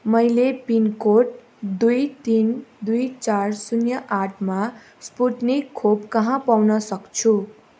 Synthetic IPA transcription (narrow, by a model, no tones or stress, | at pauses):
mʌjlepinkoʈ̚ | d̪ujt̪ind̪ujt͡sarsunjʌʔaʈʰma | spuʈnikʰːobkʌɦãpawnʌsʌkt͡sʰu